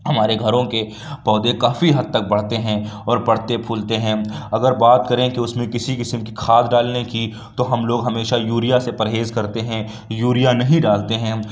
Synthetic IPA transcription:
ɦɐmaːɾeɡʱɐɾõke | pɔːd̪ekaːfiɦɐd̪̚t̪ɐk̚bɐɽ̤t̪eɦɛ̃ɔːɾpɐɽ̤t̪epʰuːlt̪eɦɛ̃ːɐɡəɾbaːt̪kɐɾẽkiʊsmẽkɪsikɪsəmkikʰaːd̪ɖaːlneki | t̪oɦɐmloːɡɦɐmeːʃajuːɾijasepɐɾɦeːzkɐɾt̪eɦɛ̃ | juːɾijanɐɦĩɖaːlt̪eɦɛ̃ː

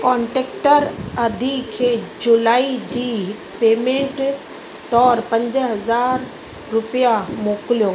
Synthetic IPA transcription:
kɔ̃ːɳʈeːkʈəɾɐd̪ʱikʰeːd͡ʑʊlaːid͡ʑiː | peːmẽːɳʈ | t̪ɔːɾpɐ̃ɲd͡ʑɦɐzaːɾ | ɾʊpijamoːklijoː

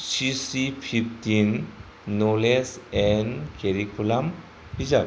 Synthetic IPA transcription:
sisipʰipʰtinː | olesɛnkeɾikʰulam | piza

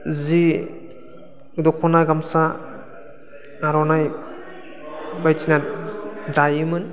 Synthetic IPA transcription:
zi | dɔkʰɔnaɡamsa | aɾɔnaj | bajt͡ʃʰina | dajɯmɯn

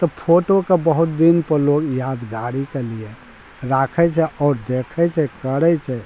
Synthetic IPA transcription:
t̪ɔpʰoːʈokebəɦʊt̪̚d̪inpəɾloːɡjaːd̪ɡaːɾikelie | ɾaːkʰɛt͡ʃʰɛʔɔːɾd̪eːkʰɛt͡ʃʰɛkəɾɛt͡ʃʰɛ

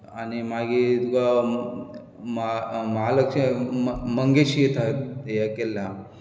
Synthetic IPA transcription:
animaɡit̪uka | mamɐɦaləkʂəməŋɡeɕijet̪ʰat̪əjakelːa

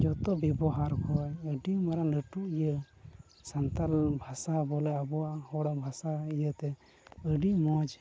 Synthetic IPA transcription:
d͡ʒɔt̪ɔbjɛbɔɦaɾkɔəɖimaɾanəʈuʔijə | sant̪albʱasabɔlɛabɔwahɔɽabʱasaijət̪ɛ | əɖimɔd͡ʒ

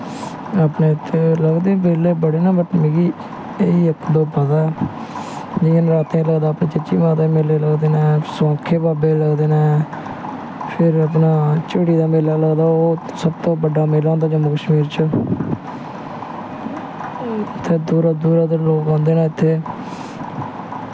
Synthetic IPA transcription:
aːpneːɪt̪ʰːeːləɡd̪eːbeːleːbəɽeːnaːbəʈmiːɡiː | eiːəkʰd̪oːpəd̪a | d͡ʒiːənɾaːt̪ẽləɡd̪aːpnẽːt͡ʃɪt͡ʃiːmaːt̪aːmeːleːləɡd̪eːnaːsõːkʰːeːbaːbeːləɡd̪eːnaː | pʰɪɾəpnaːt͡ʃəɽiːd̪aːmeːlaːləɡd̪aːoː | səbt̪õːbəɖaːmeːlãːnd̪aːd͡ʒəmõːkəʃmiːɾt͡ʃə | t̪ʰːeːd̪uːɾaːd̪uːɾaːd̪əloːkãːnd̪eːnãːɪt̪ʰːeː

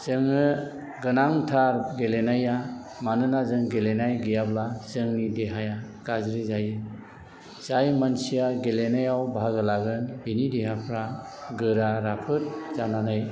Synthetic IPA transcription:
zɯŋɯ | ɡɯnaŋtʰaɾɡelenaja | manɯnazɯŋɡelenajɡijablazɯŋnideɦaja | ɡ̥azɾizajɯ | z̥ajmansijaɡelenajawbaɡɯlaɡɯnbinideɦapʰɾa | ɡɯɾaɾapʰɯɾ̚zananɯj

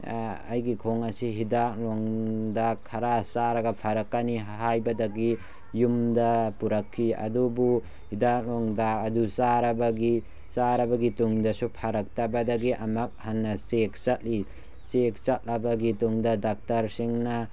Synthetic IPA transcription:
a̰jɡikʰoŋɐsiɦidak̚lɔŋdakʰɐɾasaɾɐɡɐpʰaɾɐkːaniɦajbɐdaɡi | jumdɐpuɾɐkʰːiɐ̰dubu | hidak̚lɔŋdak̚ɐdusaɾɐbɐɡi | saɾɐbɐɡituŋdɐsupʰaɾɐk̚tabɐdaɡiʔɐmɐk̚hanːɐsek̚t͡ʃat̚li | sek̚t͡ʃat̚labɐɡituŋdɐdak̚tɐɾsiŋnɐ

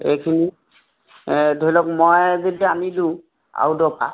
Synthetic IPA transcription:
ejkʰini | dʱojlɔk̚mɔjzediamidũ | a̰wdɔpʰa̰

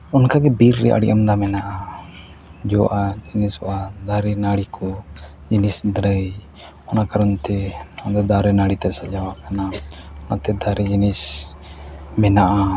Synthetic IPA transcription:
unkaɡɛbiɾːɛ̰ʔa̰ɽḭʔamd̪amɛnaʔa | d͡ʒɔ̰ʔad͡ʒinisɔʔad̪aɾɛnaɽikʰɔ | d͡ʒinisd̪ɾəj | ɔnakaɾɔnt̪ɛɔnd̪ad̪aɾɛnaɽit̪asad͡ʒawakanaɔnat̪ɛd̪aɾid͡ʒinis | mɛnaʔa

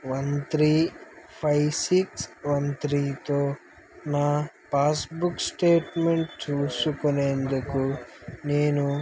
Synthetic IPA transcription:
ʋɐnt̪ɾiːpʰɐjsiksʋɐnt̪ɾiːt̪o̞ː | naː | paːsbuksʈeːʈmeɳʈt͡ʃuːsukune̞ːnd̪ukune̞ːnu

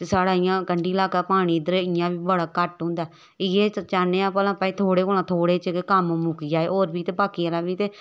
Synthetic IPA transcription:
t̪esaːɽaːɪjãːkəɳɖiːlaːkaːpaːɽ̃iːd̪əɾeːɪjãːbiːbəɽaːkəʈɦʊ̃ːnd̪aː | ɪjeːt͡ʃaːneːãːpəlãːpaːiːt̪ʰoːɽeːkoːlãːt̪ʰoːɽeːt͡ʃəkekəmmʊkiːd͡ʒaːeːoːɾbiːt̪eːpaːkiːəlaːbiːt̪eː

